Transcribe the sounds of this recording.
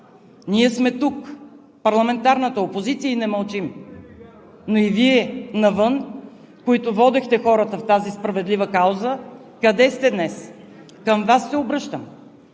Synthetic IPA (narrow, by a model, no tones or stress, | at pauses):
niɛsmɛt̪uk | pɐɾlˠɐmɛnt̪aɾnət̪əopozit̪sijəinɛməlˠt͡ʃim | noiviɛnɐvɤn | koit̪ʊvɔd̪ɛxt̪ɛxɔɾət̪əft̪azispɾɐvɛd̪livəkawzə | kɐd̪ɛst̪ɛd̪nɛs | kəmvasːɛobɾɤʃt̪əm